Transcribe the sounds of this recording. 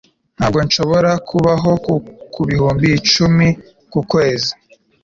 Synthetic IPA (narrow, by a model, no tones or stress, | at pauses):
n̥haːbɡo̞nʃo̞βo̞ɾakʰuβaɦo̞kuβihuːmbit͡ʃumi | kukwe̞ːzi